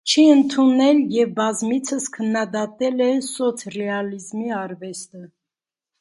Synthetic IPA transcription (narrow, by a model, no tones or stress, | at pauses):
t͡ʃʰiənt̪ʰunɛljɛvbɑzmit͡sʰəskʰənːɑd̪ɑt̪ɛlɛsɔt͡sʰrɛɑlizmiɑɾvɛst̪ə